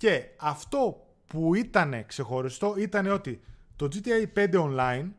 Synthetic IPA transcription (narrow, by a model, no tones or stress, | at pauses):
ce̞ɐft̪o̞ | puit̪ɐne̞kse̞xo̞ɾist̪o̞it̪ɐne̞o̞t̪it̪o̞d͡zit̪iejpe̞nd̪e̞onlɐin